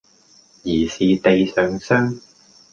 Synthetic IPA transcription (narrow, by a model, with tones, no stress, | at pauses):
jiː˨˩siː˨t̪e˨˧jsœː˨˧ŋsœː˥ŋ